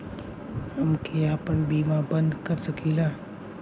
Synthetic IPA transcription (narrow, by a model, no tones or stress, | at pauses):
ɦɐmkʰeaːpəɾbiːmãbə̃nd̪kɐɾsɐkʰiːlaː